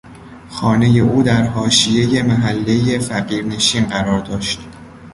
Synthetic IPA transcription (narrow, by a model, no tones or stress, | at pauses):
xɒːne̞je̞ʔuːd̪æɾɦɒːʃije̞je̞mæɦælːe̞jefæɢiːɾne̞ʃiːnɢæɾɒːɾd̪ɒːʃt̪